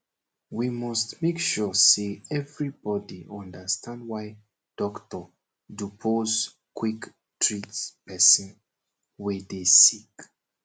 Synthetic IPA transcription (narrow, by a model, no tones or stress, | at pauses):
wimɔstmekʃuseɛvɹibɔdiʔɔ̃ndəstʰãndwaj | d̥ɔktɔ | dupʰoz | kʰwik | tʰɹitpɛsə̃n | widesik